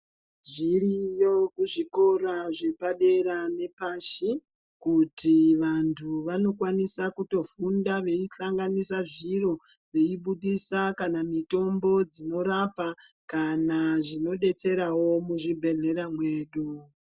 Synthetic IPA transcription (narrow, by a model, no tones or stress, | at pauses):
ʐirijo̞kuʐiko̞ɾaʐe̞paɗe̞ɾane̞paʃi | kutiʋantʰuʋano̞kwanisakuto̞fundaʋe̞iɬaŋɡanisaʐiro̞ | ʋe̞iɓuɗisakanamito̞mbo̞d͡zino̞ɾapa | kanaʐino̞ɗe̞t͡se̞ɾawo̞muʐibʱe̞ɮe̞ɾamwe̞ːɗu